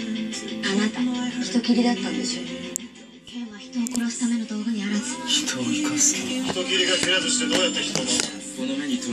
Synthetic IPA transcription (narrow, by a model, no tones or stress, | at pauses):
anat̪açʲi̥t̪o̞kʲiɾʲid̪at̪ːãnd̪eɕo̞ː | oβaçi̥t̪o̞ːko̞ɾo̞sɨ̥t̪ame̞no̞d̪o̞ːɡaɲ̟iaɾazɨ̥t̪ | çʲi̥t̪o̞kʲiɾʲiɡakiɾazɨɕi̥t̪e̞d̪o̞ːjat̪ːeçʲi̥t̪ono